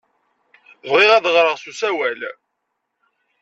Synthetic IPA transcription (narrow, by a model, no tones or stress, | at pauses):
vʁiʁæðʁɾˤəʁsusæwæl